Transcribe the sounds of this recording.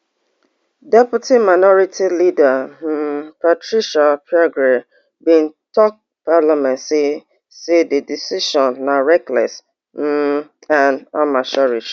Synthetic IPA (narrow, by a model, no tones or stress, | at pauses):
dɛputʰimaɪnɔɹitʰilida | patɹiʃapʰjɔɡɹe | bĩn̩tɔk̚ | palamɛ̃nsi | sededisiʃɔ̃nːaɹɛklɛ̰s | m̩ | ãnamaʃɔɹit͡ʃ